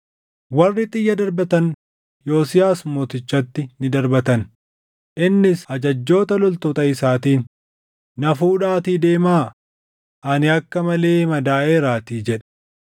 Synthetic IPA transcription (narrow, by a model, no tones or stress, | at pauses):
wɐrːɪt̪ʼɪjːɐd̪ɐɾbɐt̪ɐn | jo̞ːsɪjaːsmo̞ːt̪ɪt͡ʃːɐt̪ːɪnɪd̪ɐɾbɐt̪ɐn | ʔɪnːɪsɐd͡ʒɐd͡ʒːo̞ːt̪ɐlɔlt̪ɔt̪ɐɪsaːt̪iːnː | ɐfuːᶑaːt̪iːd̪e̞ːmaː | ʔɐnɪɐkːɐmɐle̞ːmɐd̪aːʔeːɾaːt̪iːd͡ʒɛᶑɛ̥